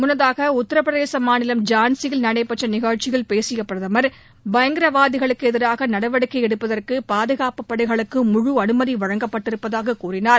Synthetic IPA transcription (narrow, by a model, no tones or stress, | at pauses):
mʊnːɐðaːɣɐʊt̪ːɐɾɐpːɾɐðeːsɐmaːnɪlɐmd͡ʒaːnsɪjɪlnɐɽɐɪpːɐʈrɐnɪɣaːt͡ʃɪɣɐɭpeːsɪjɐpːɪɾɐðɐmɐɾ | bɐjɐŋɡɪɾɐʋaːðɪɣɐɭɯkːɯɛðɪɾaːɣɐnɐɽɐʋɐɽɯkːɐɛɽɯpːɐðɐrkɯpaːðɯɣaːpɯpːɐɽɐɪɣɐɭɯkːɯmʊɻuɐnɯmɐðiʋɐɻɐŋɡɐpːɐʈːɪɾɯpːɐðaːɣɐkuːrɪnaːɾ